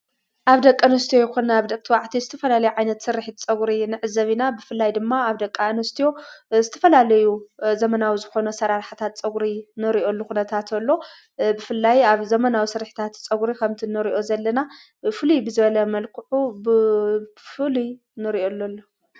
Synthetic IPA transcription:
ʔaβd̪ɐkʼːɐnɐst̪ʰijojɛkunaβd̪ɐk̚ʼt̪ʰiwaʕt̪ʰizɨt̪ʰɐfɐlalɐjuʕajnɐt̪sɨɾːɨħit͡sʼɐɡɾinɨʕɨzɐβinabɨfɨlːajd̪ɨmːaaβd̪ɐkʼːanɐst̪ʰijo̞zɨt̪ʰɐ̥fɐlalɐjuzɐmɐnawizɨxo̞nɐsɐɾaɾħḁt̪ʰat̪t͡sʼɐɡɾinɨɾiʔo̞lːuxunɐt̪ʰat̪ʰɐlːo̞ | bɨfɨlːajaβzɐmɐnawisɨɾħi̥t̪ʰat̪t͡sʼɐɡuɾikʰɐmt̪ʰinɨɾiʔo̞zɐlːɐna | fɨlubɨzɨβɐlɐmɐlkʰɨʕub | fɨlu | nɨɾiʔo̞lːolːo

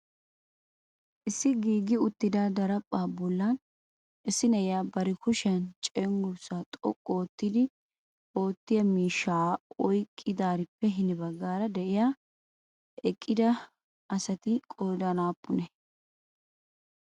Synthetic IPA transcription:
ʔɪsːɪɡiːɡɪʊt̪ːɪd̪ad̪ɐɾɐpʼːaːbɔlːɐn | ʔɪsːɪnɛjaːbɐɾɪkʊʃɐnt͡ʃʼɛŋɡʊsaːt̪ʼɔ̰kʼːoːt̪ːɪd̪ɪ | o̞ːt̪ːɪjɐmiːʃːaːɔjkʼːɪd̪aːɾɪpːɛɦɪnɪbɐɡːaːɾɐd̪ɛʔɪjaː | ɛkʼːɪd̪ɐ | ɐsɐt̪ɪkʼoːd̪ɐnaːpːʊnɛ

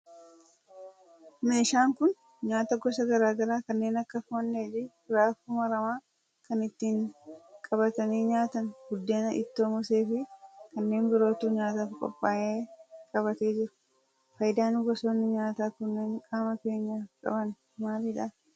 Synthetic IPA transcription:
meːʃaːŋkʊn | ɲaːt̪ɐɡɔsɐɡɐɾaːɡɐɾaːkɐnːe̞ːnɐkːɐfʊnːeːd͡ʒɪ | ʊɾaːfʊmɐɾɐmaː | kɐnɪt̪ːiːŋkʼɐbɐt̪ɐniːɲaːt̪ɐnɡʊd̪ːeːnɐʔɪ̰t̪ːo̞ːmɔse̞ːfɪkɐnːe̞ːŋbɪɾo̞ːt̪uːɲaːt̪aːfkʼɔ̰pʼːaːʔeːkʼɐβɐt̪e̞ːd͡ʒɪɾɐ̥ | fɐjd̪aːnɡɔsoːnːɪɲaːt̪aːkʊnːeːŋkʼaːmɐke̞ːɲːɐkʼɐ̰bɐn | maːɾɪᶑaː

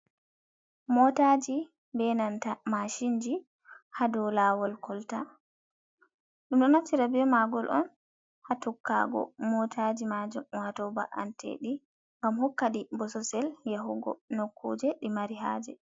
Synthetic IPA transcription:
mɔtad͡ʒi | bɛnantamaʃind͡ʒi | hadɔlaːwɔlkʰɔlta | ɗumɗɔnat͡ʃːiɾabɛmaɡɔlʔɔ̰n | hatukʰːa̰ɡɔ̰mɔtʰad͡ʒimad͡ʒumwatɔba̰ʔa̰ntʰḛɗi | ŋɡamhɔkːaɗibɔsɔsɛljaɦuɡɔ̰nokːṵːd͡ʒɛɗimaɾiɦa̰d͡ʒɛ̰

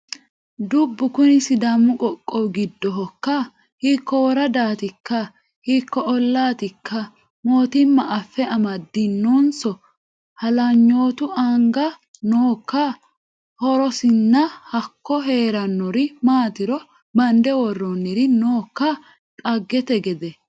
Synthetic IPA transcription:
d̪ʊbːʊkʊnɪsɪd̪ɐmːʊkʼɔkʼːɔwɡɪd̪ːɔɦɔkːɐ | hɪkːɔwɔɾɐd̪aːt̪ɪkːɐ | hikːɔɔlːaːt̪ɪkʰːɐ | mo̞ːt̪ɪmːɐʔɐfːɛɐmɐd̪ːɪnːonsɔ | hɐlɐɲːo̞ːt̪ʊɐŋɡɐ | noːkːɐ | hɔɾɔsɪnːɐhɐkːɔɦe̞ːɾɐnːɔɾɪmaːt̪ɪɾɔ | bɐnd̪ɛwɔrːɔnːɪɾɪnoːkːɐ | t̪ʼɐɡːɛt̪ɛɡɛd̪ɛ

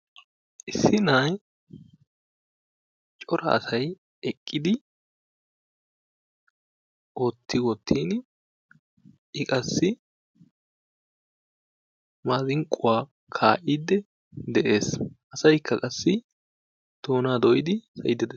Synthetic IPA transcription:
ʔɪsːɪnaj | t͡ʃʼɔɾɐ̰ɐ̰sɐj | ɛkʼːɪd̪ɪ | ʔot̪ʰːɪwɔt̪ʰːiːn | ʔɪkʼɐsːɪ | maːzɪŋkʼːʊwaː | kʰaːʔid̪ːɛ | d̪ɛʔe̞ːsʔɐsɐjkʰːɐkʼɐsːɪ | d̪̥oːnaːd̪ɔjɪd̪ɪsɐjɪd̪ɛd̪ɛ

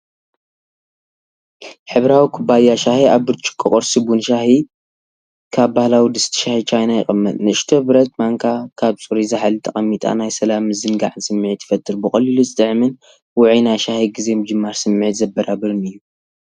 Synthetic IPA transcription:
ħɨβɾawikʰubajːaʃahiaβbɨɾt͡ʃʼɪ̥kʼːɨkʼoɾsɨbunʃahi | kʰaβːahlawid̪ɨst̪ʰi̥ʃahit͡ʃʰajnajɪ̰xʼɨmːɨt̪ʼnɨɨʃt̪ʰobɨɾɐt̪maŋkʰakʰaβsʼuɾizaħalɨt̪ʰʼːɐχʼɐmːit̪ʼa̰najsɐlamzɨnɡa̰ʕsɨmːʕit̪ʰːɨ̥fɐt̪ʰʼːɨɾbɨχʼɐliluzɨt̪ʼɨʕmɨn | wʊʕinajʃahiɡizemɨd͡ʒɨmːaɾsɨmːʕit̪zɐbɐɾabɐɾɨnɨjːu

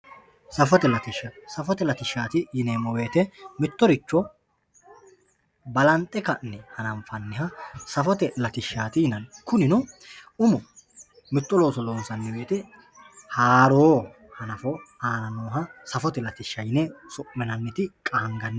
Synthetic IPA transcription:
sɐfɔt̪ɛlɐt̪ɪʃːɐsɐfɔt̪ɛlɐt̪ɪʃːaːt̪ɪjɪneːmɔweːt̪ɛmɪt̪ːɔɾɪt͡ʃːɔ | bɐlɐnt̪ʼɛkɐnːɛhɐnɐmfɐnːɪɦɐsɐfɔt̪ɛlɐt̪ɪʃːaːt̪ɪjɪnɐnkʊnɪnɔʊmɔ | mɪt̪ʼːɔlo̞ːsɔloːnsɐnːɪweːt̪ɛ | haːɾoː | hɐnɐfɔaːnɐnoːɦɐsɐfɔt̪ɛlɐt̪ɪʃːɐjɪnɛsɔʔmɛnɐnːɪt̪ɪkʼɐŋɡɐnː

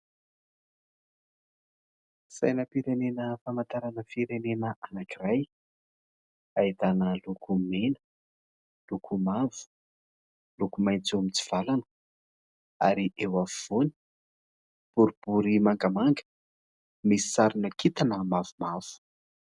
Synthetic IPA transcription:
sajnəpiɾenenəfamant̪aɾanəfiɾenenəʔanakiraj | ajit̪anəlukʰumenə̥ | lukʰumavu̥ | lukumajnt͡suamit͡si̥v̥alanə̥ | a̰ɾiʔewavvoni̥ | b̥uɾib̥uɾimaŋɡamaŋɡə̥ | misi̥saɾunakʰit̪anəmavumav̥u̥

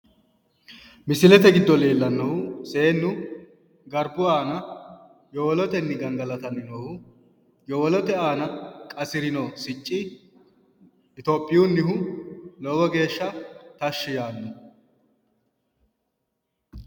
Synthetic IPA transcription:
mɪsɪlɛt̪ɛɡɪd̪ːɔleːlːɐnːɔhʊseːnːʊ | ɡɐɾbʊaːnɐ | jɔwɔlɔt̪ɛnːɪɡɐŋɡɐlɐt̪ɐnːɪnoːhʊ | jɔwɔlɔt̪ɛaːnɐkʼɐsɪɾɪnɔsɪt͡ʃʼːɪ | ɪt̪oːpʼːɪjunːɪɦʊlɔːɡɔɡe̞ːʃːɐt̪ɐʃːɪjaːnːɔ

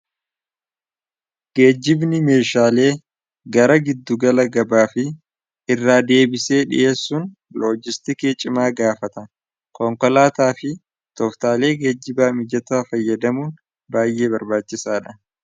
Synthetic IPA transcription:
ɡ̥e̞ːd͡ʒːɪbnɪme̞ːʃaːle̞ː | ɡɐɾɐɡɪd̪ːʊɡɐlɐɡɐbaːfɪ | ɪrːaːd̪e̞ːbɪse̞ːᶑɪ̰ʔe̞ːsːun | loːd͡ʒɪst̪ɪkeːt͡ʃʼɪmaːɡaːfɐt̪ɐ | kɔŋkɔlaːt̪aːfɪ | t̪ɔft̪aːle̞ːɡe̞ːd͡ʒːɪbaːmɪd͡ʒɐt̪aːfɐjːɐd̪ɐmuːn | baːjʔe̞ːbɐɾbaːt͡ʃːɪsaːᶑɐ

